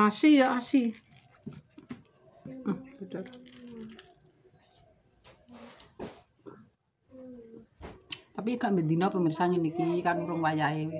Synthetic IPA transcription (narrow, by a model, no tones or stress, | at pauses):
asijɔʔasi | mb̥ət̪ʊr | t̪ap̬iɡaʔmbəd̪i̤nɔpəmərsaɲɛnikikanɾʊŋwajae